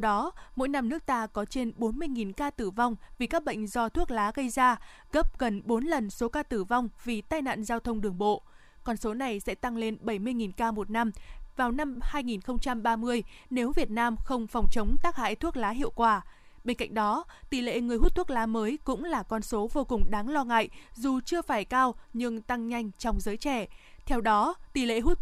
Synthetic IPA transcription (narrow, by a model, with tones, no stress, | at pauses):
t̪wɗɔ˨˦mo̰˧˥jna˧mnɨ˦˥ək̚t̪aː˧kɔ˨˦t͡ɕe˧nɓo˨˦nmɨ˧əjŋi˨˩nkaː˧t̪ɨ˧˩va˧wŋ͡mvi˨˩kaː˦˥k̚ɓə̰˧˨jŋ̟zɔ˧t̪ʰu˦˥ək̚laː˨˦ɣə˧jzaː˧ | ɣə˦˥p̚ɣə˨˩nɓo˨˦nlə˨˩nso˨˦kaː˧t̪ɨ˧˩va˧wŋ͡mvi˨˩t̪aː˧jna̰ː˧˨nzaː˧wt̪ʰə˧wŋ͡mɗɨ˨˩əŋɓo̰˧˨ | kɔ˧nso˨˦na˨˩jsɛ̰˧˥t̪a˧ŋle˧nɓə˧˩jmɨ˧əjŋi˨˩nkaː˧mo˨˩t̚na˧mvaː˨˩wna˧mhaː˧jŋi˨˩nxə˧wŋ͡mt͡ɕa˧mɓaː˧mɨ˧əj | ne˨˦wvi˨˩ət̚naː˧mxə˧wŋ͡mfɔ˨˩wŋ͡mt͡ɕə˨˦wŋ͡mt̪aː˦˥k̚ha̰ː˧˨jt̪ʰu˦˥ək̚laː˨˦ɦḭ˧˨əwkwaː˧˩ | ɓe˧nka̰˧˨ŋ̟̚ɗɔ˨˦t̪i˧˩lḛ˧˨ŋɨ˨˩əjɦu˦˥t̪̚ʰu˦˥ək̚laː˨˦məː˨˦jkʊ̰˧˥ŋ͡mlaː˨˩kɔ˧nso˨˦vo˧kʊ˨˩ŋ͡mɗaː˨˦ŋlɔ˧ŋa̰ː˧˨jzu˨˩t͡ɕɨ˧əfaː˧˩jkaː˧wɲɨ˧ŋt̪a˧ŋɲa˧jŋ̟t͡ɕɔ˧wŋ͡mzəː˨˦jt͡ɕɛ˧˩t̪ʰɛ˧wɗɔ˨˦t̪i˧˩lḛ˧˨ɦu˦˥t̚